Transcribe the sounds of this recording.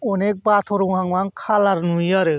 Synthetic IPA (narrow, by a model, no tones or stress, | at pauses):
onek̚bat̪ʰɔɾuɦaŋwaŋkʰalaɾnujaɾe